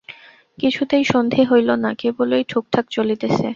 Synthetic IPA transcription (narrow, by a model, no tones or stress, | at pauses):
kit͡ɕʰut̪ejʃond̪ʱiɦojlonakebolojʈʰuk̚ʈʰakt͡ɕolit̪et͡ɕʰe